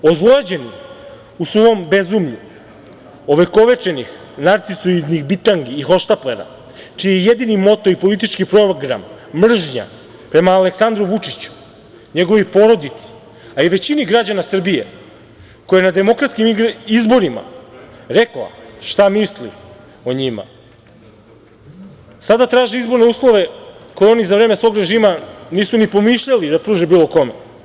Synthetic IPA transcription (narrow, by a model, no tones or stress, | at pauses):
ozlˠoad͡ʑe̞ni | usʋoombezumʎu | oʋe̞ko̞ʋe̞t͡ʃe̞nix | naɾt̪sisuid̪nixbit̪aŋɡiːxo̞ʃt̪at̪leɾa̰ | t͡ʃijejed̪inimo̞t̪o̞ipo̞lit̪̬it͡ʃkipɾo̞ɡɾa̰mː | r̩ʒɲa̰ | pɾe̞maːle̞ksand̪ɾuʋut͡ʂit͡ɕu̥ | ɲe̞ɡo̞ʋipo̞ɾo̞d̪it̪si̥ | aiʋe̞t͡ɕiniɡɾad͡ʑanasr̩bijḛ | kojanad̪e̞mo̞kɾat̪skimizbo̞ɾima̰ɾe̞klˠa̰ʃt̪amislḭ | oɲima̰ | sad̪at̪ɾaːʒeizbo̞ɾne̞uːslˠo̞ʋe̞kojeo̞nizaʋɾe̞ːmesʋo̞ɡɾe̞ʒiːmaniːsunipo̞miʃʎalid̪apɾuːʒebiːlˠo̞ko̞mḛ